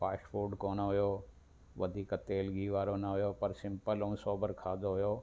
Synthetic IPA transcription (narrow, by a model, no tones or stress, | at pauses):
paːʃpuːɾɖkoːnoɦʊjoː | ʋɐd̪ʱiːkt̪eːlɡiːʋaːɾonɐɦʊjoːpɐɾsɪ̃mpələũsoːbəɾkʰaːd̪oɦʊjoː